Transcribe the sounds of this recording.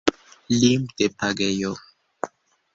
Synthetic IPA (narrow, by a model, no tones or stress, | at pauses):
limd̪̥epʰaɡejo